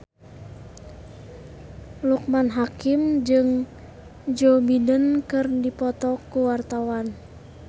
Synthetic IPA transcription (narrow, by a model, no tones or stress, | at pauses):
luk̚manɦakimd͡ʒɨŋ | d͡ʒobidənkɨrdipɔt̪ɔkuwart̪awan